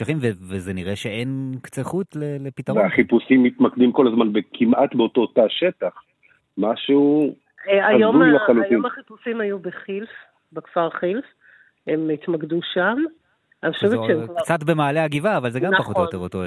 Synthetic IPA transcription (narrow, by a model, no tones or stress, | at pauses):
ʃaχimvevezeniʁeʃeenkt͡seχutlelepitaʁveaχipusimːit̪makd̪imko̞lazmanbekʰimʔat̪beotootaaʃet̪aχ | maʃeu | aajzoujlaχalujimaχipusimhajubeχilf | bekfaʁχilf | hemitmaɡduʃam | noʃeveʃeemkvkt͡satbemaːleaɡivaːvalzeɡampaχot̪joeʁoto